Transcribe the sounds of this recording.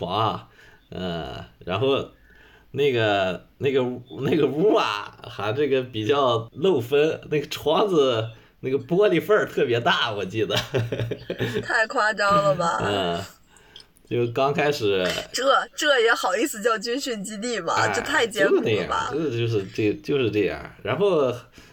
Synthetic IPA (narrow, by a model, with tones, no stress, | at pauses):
fɑ˧˥ŋ˧ | ə̰˥˩ɻa̰˧˥nxo˥˧ʊ | na˥˩ɡə˩na˥˩ɡə˩˥na˥˩ɡə˩u˥ɐ̰˨˩xa˧˥ɪʈ͡ʂɤ˥˩ɡə˩pi˨˩t͡ɕjɑ˥˧ʊlo˥˩ʊfə˥nna˥˩ɡə˩ʈ͡ʂʰwɑ˥ŋd͡zɹ̩˧ | na˥˩ɡə˩pwɔ˥li˥˩fə˞˥˧t̪ʰɤ˥˩pjɛ˧˥t̪a˥˩wɔ˨˩t͡ɕi˥˩d̪ə˩ | t̪ʰa˥˧ɪkʰwa˥ʈ͡ʂɑ˥ʊlə˨bɐ˩ə˥˧˩ | t͡ɕjo˥˩ʊkɑ˥ŋkʰa˥ɪʂɻ̩˨˩˦ʈ͡ʂɤ˥˩ʈ͡ʂɤ˥˩jɛ˧˥xɑ˨˩ʊi˥˧sɹ̩˧t͡ɕjɑ˥˧ʊt͡ɕy˥nɕy˥˩nt͡ɕi˥t̪i˥˩bɐ̰˩˥ɤ˥˧t̪ʰa˥˩ɪt͡ɕjɛ˥o˥˧na˥˨˩jɑ̰bɐ̰˩˧˩t͡ɕjo˥˧ʊʂ̬ɻ̩˥˧ʈ͡ʂɤ˥˩ɡt͡ɕjo˥˧ʊʂɻ̩˥˧ʈ͡ʂɤ˥˧jɑ̰˥˩ɻa˧˥nxo˥˩ʊ